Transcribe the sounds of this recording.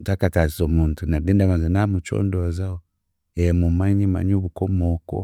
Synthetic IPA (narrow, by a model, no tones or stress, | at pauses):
takataszɔmuntunadɛndamazinamut͡ʃɔ̰ndɔzaɔ | ɛmumaɲima̰ɲuβukɔmɔkɔ̰